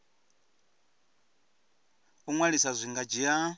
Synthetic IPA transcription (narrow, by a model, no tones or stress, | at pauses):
uŋwaɺisazʷiŋɡad͡ʒija